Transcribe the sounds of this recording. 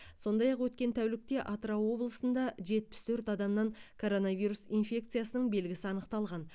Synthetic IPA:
so̞nd̪ɑjɑqwɵt̪kʲe̞nt̪ʰæwlɪk̚t̪e̞ʔɑt̪ɾɑwo̞blˠəsənd̪ɑʒe̞t̪̚pɪ̥st̪ʰɵɾt̪ɑd̪ɑmnɑŋkʰo̞ɾo̞nɑvijɾusinfʲe̞k̚t̪sɨijasənəɴbe̞lɡʲɪsɪɑnəqt̪ɑlˠʁɑn

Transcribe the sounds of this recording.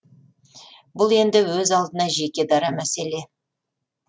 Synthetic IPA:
bʊlˠe̞nd̪ɪwɵzɑlˠd̪ənɑʒe̞kʲe̞d̪ɑɾɑmæse̞le̞

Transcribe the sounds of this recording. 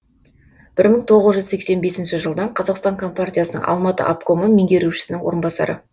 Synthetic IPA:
b̥ɪɾməɴt̪ʰo̞ʁəzʒʏzse̞kse̞nbe̞sɪnʃɪʒəlˠd̪ɑɴqʰɑzɑqst̪ɑŋkʰo̞mpartʲijasənə̰ŋʔɑ̰lˠmɑt̪ə̰ʔa̰pko̞məmeŋɡʲe̞ɾuʃɪ̥sɪnɪŋwo̞ɾənbɑsɑ̰ɾə̰

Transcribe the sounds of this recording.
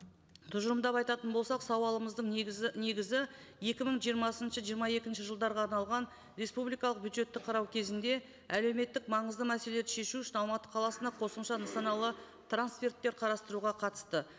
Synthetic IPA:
t̪ʰʊʒəɾəmd̪ɑpɑjt̪ɑt̪ənbo̞lˠsɑqsɑwɑlˠəməzd̪əɴne̞ɡʲɪzɪje̞kʲɪməɴʒijəɾmɑsənʃəʒijəɾmɑje̞kʲɪnʃɪʒəlˠd̪ɑɾʁɑːɾnɑlˠʁɑn | ɾe̞spublijkɑlˠəqbjud̪ʒe̞t̪ːɪqʰɑɾɑwkʲʰe̞zɪnd̪e̞ | æle̞wme̞t̪ːɪkmɑɴəzd̪əmæse̞leʃe̞ʃuʏʃɪnɑlˠmɑt̪ə̥qʰɑlˠɑsənd̪ɑqʰo̞səmʃɑnəsɑnɑlˠə | t̪ʰransfʲe̞rt̪ːe̞ɾqʰɑɾɑst̪əɾuʁɑqʰɑt̪ə̥st̪ə

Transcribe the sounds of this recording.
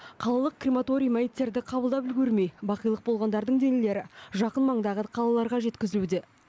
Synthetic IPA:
qʰɑlˠɑlˠəq̚krʲimat̪o̞ɾʲijmæjit̪ːe̞ɾd̪ɪqʰɑbəlˠd̪ɑpɪlɡʲɵɾme̞jbɑqəjlˠəq̚bo̞lˠʁɑnd̪ɑɾd̪əɴd̪enile̞ɾɪʒɑqənmɑɴd̪ɑʁəqʰɑlˠɑlˠɑɾʁɑʒe̞t̪kʲɪzɪlud̪e̞

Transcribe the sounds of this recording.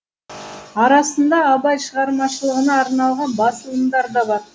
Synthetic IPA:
ɑɾɑsənd̪ɑːbɑjʃəʁɑɾmɑʃəlˠəʁənɑːɾnɑlˠʁɑnbɑsəlˠəmd̪ɑɾd̪ɑbɑɾ

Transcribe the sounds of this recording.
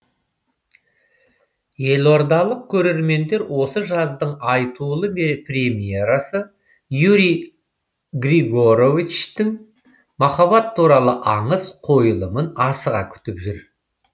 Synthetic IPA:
je̞lo̞ɾd̪ɑlˠəq̚kʲʰɵɾe̞ɾme̞nd̪e̞ɾwo̞səʒɑzd̪əɴɑjt̪ulˠəmpʰrʲe̞mije̞ɾɑsə | juɾi | ɡriɡo̞ɾo̞vit͡ʃt̪ɪŋ | mɑχɑβɑt̪ʰːuɾɑlˠəʔɑɴəzqʰo̞jəlˠəmənɑsəʁɑ̰kʲʰʏ̥t̪ɪpʒʏɾ

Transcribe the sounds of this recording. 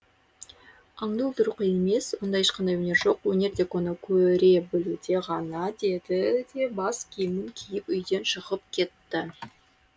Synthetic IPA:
ɑɴd̪ud̪əɾuqəjeme̞swond̪ɑjeʃqɑnd̪ɑjwɵne̞ɾʒo̞qwɵne̞ɾd̪e̞konəkʲʰɵɾe̞bɪlud̪e̞ʁɑnɑd̪e̞d̪ɪd̪e̞bɑskʲʰijmɪŋkʲʰijɪpʏjd̪e̞nʃəʁəpkʲʰe̞t̪ːɪ

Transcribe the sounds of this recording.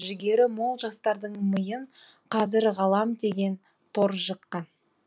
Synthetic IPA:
ʒɪɡʲe̞ɾɪmo̞lˠʒɑst̪ɑɾd̪əɴməjəɴ | qʰɑzɪɾʁɑlˠɑmd̪e̞ɡʲe̞n | t̪ʰo̞ɾʒəqːɑn

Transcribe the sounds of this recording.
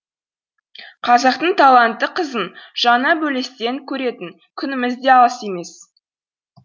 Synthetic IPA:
qʰɑzɑq̚t̪əɴt̪ʰɑlˠɑnt̪ːəqʰəzənʒ̥ɑnɑbɵle̞st̪e̞ŋkʲʰɵɾe̞t̪ɪŋ | kʲʰʏnɪmɪzd̪e̞ɑlˠəse̞me̞s

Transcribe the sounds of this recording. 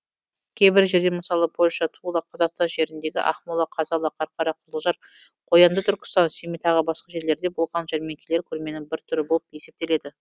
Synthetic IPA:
kʲʰe̞jbɪɾʒe̞ɾd̪e̞məsɑlˠəpʰo̞lʲʃɑt̪ʰulˠɑqʰɑzɑqst̪ɑnʒe̞ɾɪnd̪e̞ɡʲɪ̰ʔɑ̰χmolˠɑqʰɑzɑlˠɑqʰɑɾqʰɑɾɑqʰəzəlˠʒɑɾqʰo̞jɑnd̪ət̪ʰʏɾkʲɪst̪ɑnsemijt̪ʰɑʁəbɑsqɑʒe̞ɾle̞ɾd̪e̞bo̞lˠʁɑnʒæɾme̞ŋkʲʰele̞ɾkʲʰɵɾme̞nɪŋbɪɾt̪ʰʏɾɪbo̞lˠəpje̞se̞p̚t̪e̞le̞d̪ɪ

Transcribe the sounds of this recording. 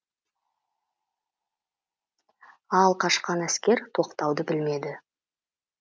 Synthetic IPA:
ɑlˠqʰɑʃqɑnæskʲe̞ɾt̪ʰo̞qt̪ɑwd̪əbɪlme̞d̪ɪ

